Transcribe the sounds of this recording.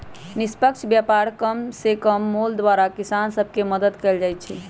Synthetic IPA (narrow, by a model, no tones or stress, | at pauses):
nispəkt͡ʃʰbjapaɾkəmsekəmːold̪ʋaɾakisansəb̚ʱkeməd̪əd̪kɛld͡ʒajt̪̚t͡ʃʰɛ